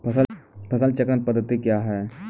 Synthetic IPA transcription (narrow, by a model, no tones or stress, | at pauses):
pʰɐsəlpʰɐsəlt͡ʃɐkɾə̃n̚pɐd̪ət̪ːikjaːɦɛː